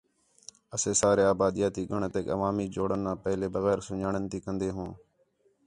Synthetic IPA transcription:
əseːsaːɾeːaːbaːd̪ijaːt̪iːɡəɳt̪eːkə̰ʋaːmiːd͡ʒoːɽənːãːpəɦleːbəɣɛːɾsʊɲaːɳənt̪iːkə̃nd̪eːɦõː

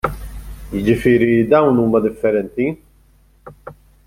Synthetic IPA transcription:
jɪd͡ʒɪfɪːɾid̪ɐwnuːmɐd̪ɪfːɛɾɛnt̪i

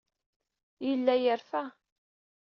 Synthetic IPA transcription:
jəlːæjəɾfæ

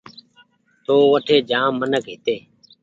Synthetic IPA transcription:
t̪oːʋəʈʰeːd͡ʒãːmːənəkɦɪt̪eː

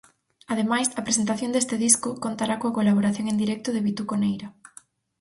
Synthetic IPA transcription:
aðemajsɐpɾes̬ent̪aθjond̪est̪ɪðiskʊkont̪aɾakoakolaβoɾaθjoŋend̪iɾɛk̚t̪ʊðeβit̪ukonejɾɐ

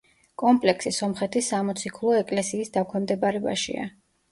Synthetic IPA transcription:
kʼɔmpʼlɛksisɔmχɛt̪ʰisamɔt̪sʰikʰlˠɔɛkʼlɛsiːsd̪akʰwɛmd̪ɛbaɾɛba̰ʃḭa̰

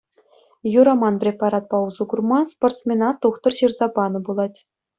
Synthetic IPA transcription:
juɾɑmɑnpʲrʲepɑɾɑt̪̚pɑuzuɡurmɑsport̪smʲenɑt̪uχt̪ɤ̆rɕɯrzɑbɑnɤ̆bulˠɑtʲ

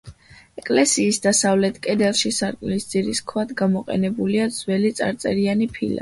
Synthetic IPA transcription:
ɛkʼlɛsiːsd̪asavlɛt̪ʰkʼɛd̪ɛlˠʃisaɾkʼmlisd̪z̥iɾiskʰwad̪ɡamɔqʼɛ̰nɛbuliad̪z̥wɛlit̪sʼa̰ɾt̪sʼɛɾianipʰḭla̰

